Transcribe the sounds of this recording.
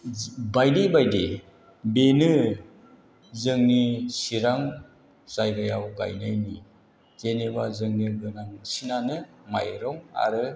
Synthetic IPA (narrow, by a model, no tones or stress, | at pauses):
bajdibajde | benɯ | zɯŋnisiɾaŋ | zajɡɯjawɡa̰jnajni | z̥enebazɯŋniɡɯnaŋsinanɯma̰jɾɔŋa̰ɾɯ